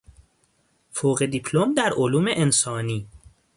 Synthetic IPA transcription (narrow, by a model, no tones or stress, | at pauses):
foɣe̞d̪ipʰlomd̪æɾʔoluːme̞ʔensɒːniː